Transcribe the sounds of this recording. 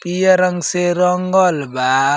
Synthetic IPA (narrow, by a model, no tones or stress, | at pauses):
pijaɾaŋseɾɔŋɡɔlba